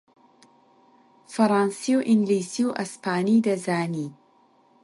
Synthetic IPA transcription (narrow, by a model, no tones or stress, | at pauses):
fɐɾaːnsiwʔiŋɡliːsiwʔɐspʰaːnid̪ɐzaːniː